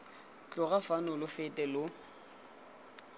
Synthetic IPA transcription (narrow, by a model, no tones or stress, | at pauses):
t͡ɬʼʊɣafanʊlʊfɪtʼɛlʊ